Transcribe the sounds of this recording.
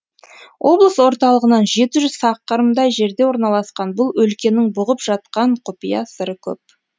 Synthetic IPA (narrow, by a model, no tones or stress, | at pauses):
wʔo̞blˠəswo̞ɾt̪ɑlˠəʁənɑnʒe̞t̪ɪʒʏz̥sɑqːəɾəmd̪ɑjʒe̞ɾd̪e̞wo̞ɾnɑlˠɑsqɑnbʊlˠɵlkʲe̞nɪŋbʊʁəpʒ̥ɑt̪̚qɑɴqʰʊpijɑsəɾəkʲʰɵ̰p̚